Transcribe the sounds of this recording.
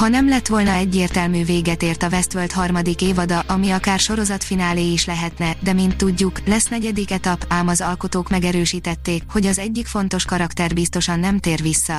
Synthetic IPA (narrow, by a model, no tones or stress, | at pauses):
hɒnɛmlɛt̪ʋo̞lnɒɛɟːeːrt̪ɛlmyːveːɡɛt̪eːrt̪ɒvɛst̪ʋølt̪hɒrmɒd̪ikeːvɒd̪ɒʔɒmiɒkaːrʃo̞ɾo̞zɒt̪finaːleːiʃlɛɦɛt̪nɛd̪ɛmint̪ːuɟːuklɛsnɛɟɛd̪ikɛt̪ɒpaːmɒzɒlko̞t̪oːkmɛɡɛɾøːʃiːt̪ɛt̪ːeːkho̞ɟɒzɛɟːikfo̞nt̪o̞ʃkɒɾɒkt̪ɛrbist̪o̞ʃɒnːɛmt̪eːrʋisːɒ